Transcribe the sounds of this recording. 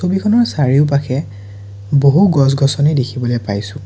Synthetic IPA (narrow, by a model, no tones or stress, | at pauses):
sobikʰɔnɔɹsaɹiʊp̬akʰɛ | boɦuɡɔs̬ɡɔsɔnidekʰibɔlojpajsʊ̃